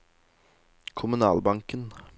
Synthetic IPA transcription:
kʰʊmʉnɑ̰ːlbɑŋkən

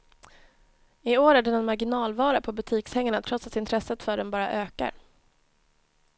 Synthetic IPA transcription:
ɪoːɾæɖɛnɛnmaɾɡɪnɑːlvɑːɾapʰɔbɵt̪ʰiːkshɛŋːaɳat̪ʰɾɔt̪sat̪ɪnt̪ʰɾɛsːət̪fœːɖɛnbɑːɾa̰ʔøːka̰ɾ

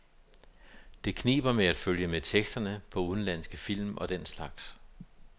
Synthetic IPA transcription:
d̥e̝kʰnḭːb̥ɐmeæd̥føljəmet͡sʰeɡ̥sd̥ɐnəpʰɒ̽uðˠn̩læn̰sɡ̥əfil̰mʔɒ̽d̥en̰slɑ̈ɡ̥s

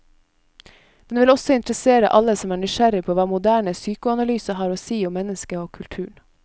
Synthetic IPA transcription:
d̪̥ɛnʋɪlɔsɔɪnt̪ɾəseːɾə̰ʔɑləsɔmæːɳʏʃæɾɪpʰoːʋɑːmʊd̪æːɳəsyːkʊɑnɑlyːsəhɑːɾoːsiːʊmːɛnəskəoːkʰʉlt̪ʰʉːɳ

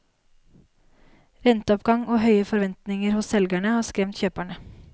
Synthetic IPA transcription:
ɾɛnt̪əɔpɡɑŋoːhœʏəfɔɾʋɛnt̪nɪŋəɾhʊsɛlɡæɳəhɑːskɾɛmt̪çøːpæɳə

